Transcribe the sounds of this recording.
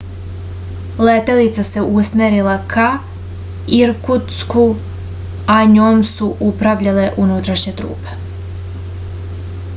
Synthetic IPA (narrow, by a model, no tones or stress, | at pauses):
let̪e̞lit̪sase̞ʔusmeɾilakʰa | iɾkut̪sku | aɲoːmsuʔupɾaʋʎale̞ʔunut̪ɾaʃɲet̪ɾṵːpe̥